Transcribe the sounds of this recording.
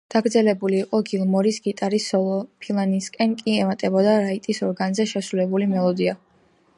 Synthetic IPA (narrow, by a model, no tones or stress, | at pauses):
d̪̥aɡɾd̪zɛlɛbuliːqʼɔɡilˠmɔɾisɡit̪ʼaɾisɔlˠɔpʰilˠaniskʼɛnkʼiɛmat̪ʼɛbɔd̪aɾait̪ʼisɔɾɡanzɛʃɛsɾulɛbulimɛlˠɔd̪ia